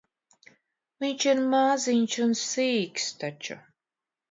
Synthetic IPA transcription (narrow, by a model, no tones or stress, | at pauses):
viɲʲt͡ʃiɾmaːzinʲt͡ʃunsiːkst̪at͡ʃṵ